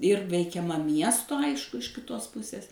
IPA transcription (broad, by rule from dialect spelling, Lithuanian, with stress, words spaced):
ɪr ʋʲɛɪkʲɛˈmɐ ˈmʲiɛstoː ˈɐɪʃkʊ ɪʃ kʲɪˈtoːs ˈpʊsʲeːs